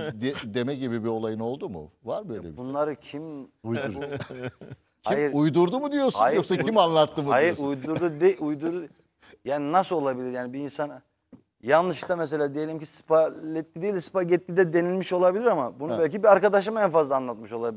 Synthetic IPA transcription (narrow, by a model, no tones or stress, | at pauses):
d̪ed̪e̞mɛɟibibio̞lˠajɯno̞lˠd̪umṵvaɾbøjlʲɛ̰bunlˠaɾɯcʰimujd̪uɾ | cʰhaijiɾujd̪uɾd̪umud̪ijo̞sajjoksaimanlˠat̪ːɯmuajiɾoujd̪uɾd̪ud̪eujd̪uɾ | jaːninasɯlˠo̞lˠabilʲiɾjaːnibiːnsan | janˠnɯʃt̪amɛs̬e̞lʲaːd̪eje̞lʲimcispʰalʲɛt̪lːid̪ejilʲspaɟɛt̪ːid̪ɛd̪e̞nilʲmiʃo̞lˠabilʲiɾamabunubælʲcʰibiaɾkad̪aʃ̬ɯmɛnfazlˠaːnlˠat̪mɯʃo̞lˠabi